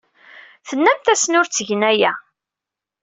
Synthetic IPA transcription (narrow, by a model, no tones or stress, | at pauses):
θənːæmt̪æsnʊɾt͡sːəʝnæjæ